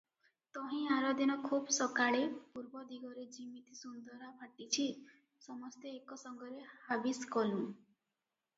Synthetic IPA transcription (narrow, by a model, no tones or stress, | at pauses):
t̪ɔɦĩaɾɔd̪inɔkʰubsɔkaɭepuɾbɔd̪iɡɔɾed͡ʒimit̪isund̪ɔɾabʱaʈit͡ʃʰi | sɔmɔst̪eekɔsɔŋɡɔɾehabiskɔlũ